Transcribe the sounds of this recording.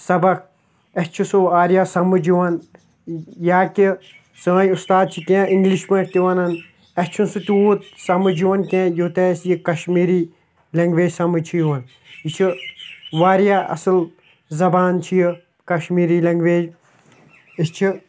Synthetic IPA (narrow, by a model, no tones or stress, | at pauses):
sɐbɐk̚ | ɐst͡ʃʰusoaːɾjasɐmɨd͡ʒiʋɐn | jaːki | səːjust̪aːd̪̚t͡ʃʰikẽʔiŋɡliʃpẽːʈʰt̪iʋɐnɐn | ɐst͡ʃʰunsɨt̪ʲuːt̪̚sɐmɨd͡ʒiʋɐnkẽːjut̪ɛːsjikɐʃmiːɾiː | lɐŋɡʋeːd͡ʒsɐmɨt͡ʃʰijuʋɐn | jit͡ʃʰiʋaːɾjaːɐ̰sɨl | zɐbaːnt͡ʃʰiji | kɐʃmiːɾiːlɐŋɡʋeːd͡ʒ | ist͡ʃʰi